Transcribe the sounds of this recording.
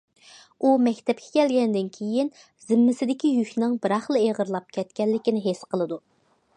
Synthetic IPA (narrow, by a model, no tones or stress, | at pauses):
umɛkʲt̪ʰɛp̚kʲʰɛ̥kʲɛlɡʲɛnd̪ɪnkʲʰejin | z̥ɪmːɪsɪd̪ɪkʲijykʲnɪŋbɨɾɑχlˠɨeʁəɾlˠɑp̚kʲʰɛt̪kʲɛlːɪkʲinɪɦesqʰəlˠɨd̪u